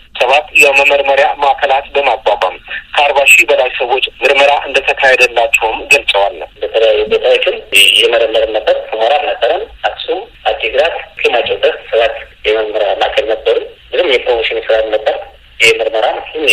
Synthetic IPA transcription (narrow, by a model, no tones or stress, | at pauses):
səβat̪jɛməməɾməɾjamakʰəlat̪bəmaɡwaba̰mkʰəaɾbaʃibəlajsəwo̞t͡ʃːmɨɾməɾaʔɨnd̪ət̪ʰəkʰahɛd̪əlːat͡ʃːɛwɨmɡəlsʼəwalːəbət̪ʰələjajːubot̪ʼawot͡ʃːɪnjɛməɾəmːəɾənːəbːəɾhʰɨmaɾanəbəɾənaksum | ad̪ːiɡɾat̪kʰəmat͡ʃʼɛwbːət̪səβat̪jɛməɾməɾjamakʰəlnəbːəɾumlɨzɨmjɛpʰɾomoʃɪnjɛsəɾat̪nəbːəɾ | jɪhemɨɾməɾansɨ